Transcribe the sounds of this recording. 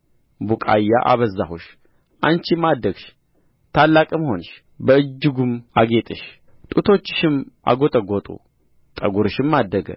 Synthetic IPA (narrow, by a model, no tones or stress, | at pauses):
bukʼa̰jːa̰ʔaβəzːahuʃ | ʔant͡ʃimad̪ːəɡʃ | t̪ʰalːakʼɨmho̞nɨʃ | bəɨd͡ʒːɪɡumaɡet̪ʼɨʃ | t̪ʼut̪ʰo̞t͡ʃːɪ̥ʃɪma̰ɡot̪ʼəɡot̪ʼṵ | t̪ʼəɡuɾɨʃɪmːad̪ːəɡə̰